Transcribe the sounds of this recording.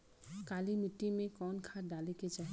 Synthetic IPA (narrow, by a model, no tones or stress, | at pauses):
kalimiʈːimẽkɔnkʰaɾd̪aliket͡ʃaɦ